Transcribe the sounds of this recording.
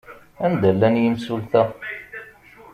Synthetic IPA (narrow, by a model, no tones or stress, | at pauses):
ænd̪ælːænjəmsulθæ